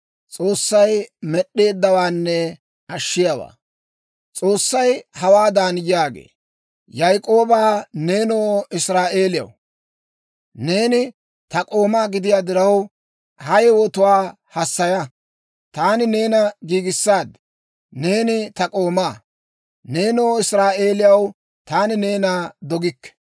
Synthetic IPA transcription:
t͡sʼo̞ːsːɐjmɛɗːe̞ːd̪ːɐwaːnːɛ | ɐʃːɪjawa̰ː | t͡sʼo̞ːsːɐjhɐwaːd̪aːnjaːɡḛː | jɐjkʼo̞ːbaːne̞ːnoːɪsɾaːʔe̞ːlɪjɐ̰w | ne̞ːnɪ | t̪ɐkʼo̞ːmaːɡɪd̪ɪjaːd̪ɪɾɐw | hɐjwɔt̪ʊwaː | hɐsːɐjɐ | t̪aːnɪne̞ːnɐɡiːɡɪsːaːd̪ | ne̞ːnɪt̪ɐkʼo̞ːmaː | ne̞ːnoːɪsɾaːʔe̞ːlɪjɐw | t̪aːnɪne̞ːnaːd̪ɔɡɪkːɛ̥

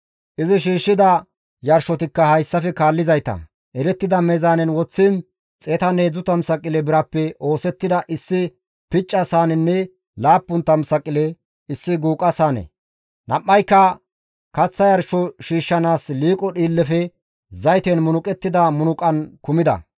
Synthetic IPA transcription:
ʔɪzɪʃiːʃːɪd̪ɐ | jɐɾʃɔt̪ɪkːɐhɐjsːɐfɛkaːlːɪzɐjt̪ɐ̰ | ʔɛɾɛt̪ːɪd̪ɐmɛzaːnɛnwɔt͡sːɪn | t͡sʼeːt̪ɐneːd͡zʊt̪ɐmsɐkʼːɪlɛbɪɾɐpːɛʔo̞ːsɛt̪ːɪd̪ɐʔɪsːɪ | pɪt͡ʃʼːɐsaːnɛnːɛ | laːpːʊnt̪ɐmsɐkʼːɪlɛ | ɪsːɪɡuːkʼɐsaːnɛ̰ | nɐʔːɐjkːɐ | kɐt͡sːɐjɐɾʃɔʃiːʃːɐnaːsliːkʼɔɗiːlːɛfɛ | zɐjt̪enmʊnʊkʼɛt̪ːɪd̪ɐmʊnʊkʼɐnkʊmɪd̪ɐ̰

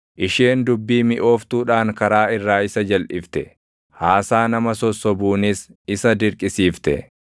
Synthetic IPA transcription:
ʔɪʃeːnd̪ʊbːiːmɪʔo̞ːft̪uːᶑaːŋkɐɾaːɪrːaːɪsɐd͡ʒɐlʔɪft̪ɛ | haːsaːnɐmɐsɔsːɔbuːnɪsɪsɐd̪ɪɾkʼɪsiːft̪ɛ̰

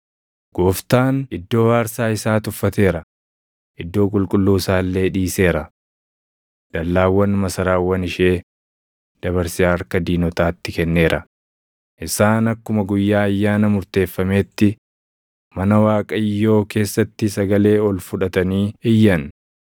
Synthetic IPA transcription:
ɡ̥oːft̪aːnɪd̪ːo̞ːhaːɾsaːɪsaːt̪ʊfːɐt̪e̞ːɾɐ | ʔɪd̪ːo̞ːkʼʊlkʼʊlːuːsaːlːe̞ːᶑiːse̞ːɾɐ | d̪̥ɐlːaːwːɐnmɐsɐɾaːwːɐnɪʃe̞ː | d̪̥ɐβɐɾsɪaːɾkɐd̪iːnɔt̪aːt̪ːɪkɛnːe̞ːɾʔɐ | ʔɪsaːnɐkːʊmɐɡʊjːaːɐjːaːnɐmʊɾt̪e̞ːfːɐme̞ːt̪ːɪ | mɐnɐwaːkʼɐɪjːo̞ːke̞ːsːɐt̪ːɪsɐɡɐle̞ːɔlfʊᶑɐt̪ɐniːɪjːɐn

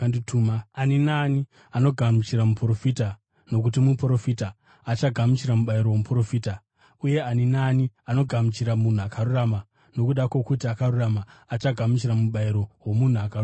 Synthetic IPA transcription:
anditʰuːmaaninaːni | ano̞ɡʱamut͡ʃiramupro̞fita | no̞k̬ut̬imupɾo̞fitaː | t͡ʃaɡʱamut͡ʃiɾamuɓaiɾo̞womupro̞fiːta | uje̞aninaːniano̞ɡʱamut͡ʃiɾamun̤uakarurama | no̞kuɗakwo̞kutiakaruramaːt͡ʃaɡʱamut͡ʃiɾamuɓaiɾo̞wo̞mun̤uakaru

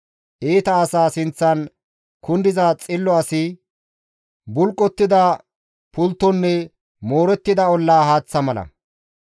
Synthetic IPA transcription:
ʔeːt̪ɐːsaːsɪnt͡sːɐn | kʊnd̪ɪzat͡sʼɪlːɔɐsɪ | bʊlkʼːɔt̪ːɪd̪ɐ | pʊlt̪ːɔnːɛ | mo̞ːɾɛt̪ːɪd̪ɐɔlːaːhaːt͡sːɐmɐlɐ̰

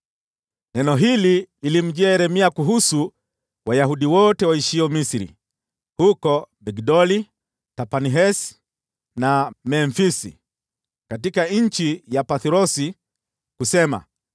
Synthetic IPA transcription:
nɛnɔɦiliilim̩d͡ʒɛɾɛmiakuɦusu | wajaɦuɗiwɔtɛwaiʃiɔmisiɾḭ | hukɔbɛɡdɔli | tapaniɦɛs | namɛɱfisḭ | katikaɲ̩t͡ʃijapaθiɾɔsi | kusɛma̰

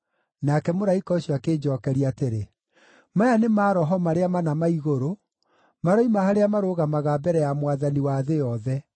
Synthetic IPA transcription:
nakɛmoɾaikɔɕwakeːd͡ʒɔːkɛɾiateɾe | majanemaːɾɔɦɔmaɾeamanamaiɣoɾo | maɾɔimahaɾeamaɾoɣamaɣaːbɛɾɛjamwaðaniwaðejɔðɛ

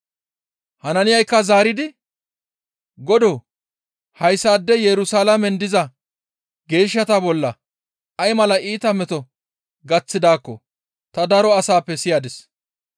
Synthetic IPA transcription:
hɐnɐnɪjɐjkːɐzaːɾɪd̪ɪ | ɡɔd̪o | hɐjsːaːd̪ːɛjɛɾʊsaːlamɛnd̪ɪzɐ | ɡe̞ːʃːɐt̪abɔlːɐ | ɐjmɐlɐʔiːt̪ɐmɛt̪ɔ | ɡɐt͡sːɪd̪aːkːɔ̰ | t̪ɐd̪ɐɾɔɐsaːpːɛsɪjaːd̪ɛs

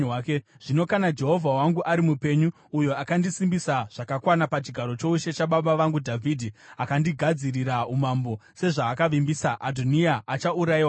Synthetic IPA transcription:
k | ʐ̥ino̞kanad͡ʒe̞ɦo̞vʱawaŋɡuʔaɾimupe̞ɲuː | jo̞akandisimbisaʐ̥akakwanapat͡ʃiɡʱaɾo̞t͡ʃo̞uʃe̞t͡ʃaɓaɓaʋaŋɡudʱavʱidʱiakandiɡʱad͡ziriɾaumambo̞se̞ʐaːkaʋimbisaʔadʱoniaat͡ʃauɾaiwa

